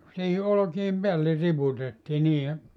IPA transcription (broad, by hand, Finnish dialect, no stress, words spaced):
siːhi olŏkiem peælːe riputetːiː niːe